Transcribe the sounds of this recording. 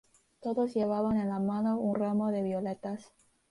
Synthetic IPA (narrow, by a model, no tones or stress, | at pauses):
t̪o̞ðosje̞βaβane̞nlamano̞unramo̞ðe̞βjolet̪as